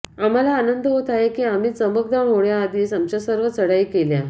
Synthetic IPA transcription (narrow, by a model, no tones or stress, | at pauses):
am̤alaːnənd̪ʱəɦot̪aɦekiːam̤iːt͡səmək̚d̪amoɽjaːd̪iːsamt͡ɕjasəɾʋət͡səɽaikelja